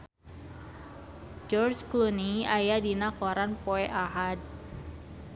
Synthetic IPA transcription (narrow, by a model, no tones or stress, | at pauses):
d͡ʒɔrt͡ʃkluniajadinakɔɾanpoɛʔaɦad̚